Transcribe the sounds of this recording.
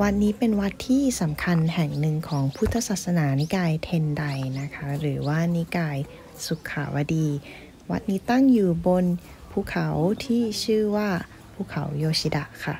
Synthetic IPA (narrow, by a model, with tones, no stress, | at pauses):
wa˦˥t̪̚niː˦˥pe˧nwa˦˥t̪ʰːiː˥˩sa˩˦mkʰa˧nɦɛ˨˩ŋnɯ˧ŋkʰɔː˩˦ŋpʰu˦˥t̪ʰːa˧saː˨˩t̪̚sa˧naː˩˦na˧˦kaː˧jt̪ʰe˧nda˧jna˦˥kʰa˦˥ɾɯː˩˦waː˥˩niː˧˥kaː˧j | su˨˩˦kʰːa̰ː˨˩˦wa˧˩diː˧ | wa˦˥t̪̚niː˦˥t̪a˥˩ŋjuː˨˩bo˧n | pʰuː˧˥˨kʰa˨˦wt̪ʰiː˥˩t͡ɕʰɯː˥˩waː˥˩ | pʰuː˥˩kʰa˨˩˦wjoː˧si˧da˧˩ʔkʰa̰˧˩